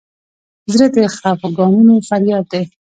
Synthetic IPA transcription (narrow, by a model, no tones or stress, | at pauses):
zɾet̪exapɡɑnunofaɾjɑːd̪̚d̪e